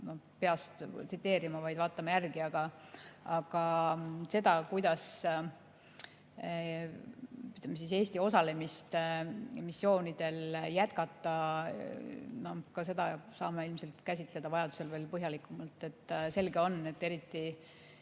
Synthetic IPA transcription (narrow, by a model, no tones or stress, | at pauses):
nopeɑst̪t̪sit̪ːe̞ːɾimɑvɑjd̪̥vɑːt̪ːˑɑmɑjærɡiɑɡ̥ɑɑɡ̥ɑse̞d̪̥ɑkujd̪̥ɑs | yt̪ːˑlemes̬ise̞ːsʲt̪io̞sɑle̞mist̪misːio̞ːnid̪̥e̞ljæt̪kɑt̪ːˑɑ | no̞kɑse̞d̪̥ɑsɑːmeilmse̞lt̪kæsʲit̪ˑle̞d̪̥ɑvɑjɑd̪u̥se̞lve̞ːlpɤɦjɑlikˑumɑlt̪ˑːe̞t̪ːse̞lɡeo̞nːe̞t̪ːeɾit̪ːi